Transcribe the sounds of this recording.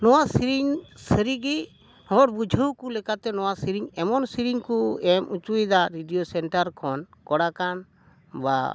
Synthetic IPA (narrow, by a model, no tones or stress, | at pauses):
nɔwasiɾiŋsəɾiɡi | hɔɾbud͡ʒʱəwkulɛkat̪ɛnɔwasiɾiŋɛmɔnsiɾiŋkuɛmut͡ʃujd̪aɾiɖijosɛnʈaɾkʰɔn | kɔɽakan | ba̰